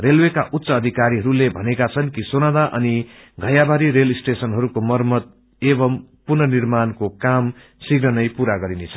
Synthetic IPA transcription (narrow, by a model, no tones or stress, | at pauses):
relwekaʔut̪ːsʌːd̪ʱikaɾiɦʌɾulebʱʌnekat͡sʰʌnkisonad̪aʔʌ̰ni | ɡʱʌjabʱaɾiɾelisʈesʌnɦʌɾukomʌrmʌd̪̚ | ebʌmpurnʌnirmankokam | siɡɾʌnʌjpuɾaɡʌɾinet͡sʰʌ̥